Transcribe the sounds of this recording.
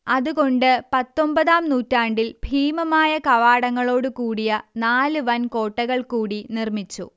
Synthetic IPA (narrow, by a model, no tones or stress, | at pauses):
ɐðuɣo̞ɳɖɨpɐt̪ːo̞mbɐðaːmnuːtːaːɳɖilbʱiːmɐmaːjɐkɐʋaːɽɐŋːɐɭo̞ːɽukuːɽijɐnaːlɨʋɐnko̞ːʈːɐɣɐɭkuːɽinirmit͡ɕːṵ